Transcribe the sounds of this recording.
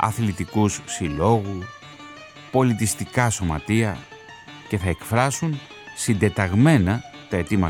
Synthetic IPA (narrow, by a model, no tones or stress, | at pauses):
ɐ̰θlit̪ikussilo̞ɣu | po̞lit̪ist̪ikɐso̞mɐt̪iɐ | ce̞θɐe̞kfɾɐsun | sind̪e̞t̪ɐɣme̞nɐt̪ɐe̞t̪imɐ